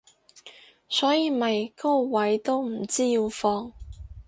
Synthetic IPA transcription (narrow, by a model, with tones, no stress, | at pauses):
sɔː˨˥jiː˨˧mɐ˨jkɔː˥˩wɐ˨˥jt̪o˥wm̩˨˩t͡siː˥jiː˧wfɔː˧ŋ